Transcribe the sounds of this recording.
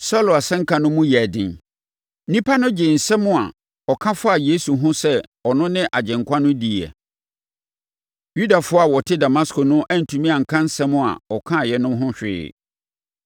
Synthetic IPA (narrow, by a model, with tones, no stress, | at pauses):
sɔ˦lʊ˨a˨sɛ̃˦ŋ̩˦kʰã˨nʊ̃˦mũ˦jɛ˨æ˨dɪ̰̃˨n̩˦ | nĩ˦pʰa˦nʊ̃˦d͡ʑɪ˨n̩˨sɛ˦mʊ̃˦a̰˨ | ɔ˨kʰã˦fʊ˦a˨je˦su˨ɦʊ̃˦sɛ˦ɔ˨nʊ̃˦nɪ̃˦ʔa˨d͡ʑɛ̃˨ŋkʷʰã˦nʊ̃˦di˨ɛ̰˨ | ju˦da˨fʊ˦a˨wɔ˨tʰɪ˦da˨ma˦skʰɔ˨nʊ̃˦ʔæ˦n̩˨tʰũ˨mĩ˦a˨ŋ̩˨kʰã˦n̩˦sɛ̃˦mʊ̃˦˨a̰˨ɔ˨kʰã˦˨jɛ˨nʊ̃˦mɦʊ̃˦ɕᶣɪ̰ː˦˨